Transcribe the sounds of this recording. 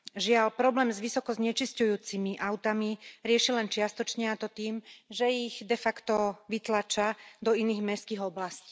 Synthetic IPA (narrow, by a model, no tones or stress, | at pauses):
ʒɪalpɾɔblɛːmzʋisɔkɔzɲɛt͡ʃiscujuːt͡simiʔaʊt̪amiɾɪɛʃilɛnt͡ʃɪast̪ɔt͡ʃɲɛat̪ɔt̪iːmʒɛiɣd̪ɛfakt̪ɔʋit̪lat͡ʃad̪ɔiniːɣmɛskiːɣɔblasci̥ː